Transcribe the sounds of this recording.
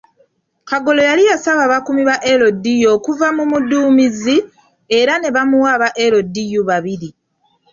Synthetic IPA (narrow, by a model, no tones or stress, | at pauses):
kaɡo̞lo̞jalijasaβaβakumiβaʔe̞lo̞dijo̞ːkuvamumuduːmizi | e̞ɾane̞βamuwaːβaʔe̞ɾo̞dijuβaβiɾi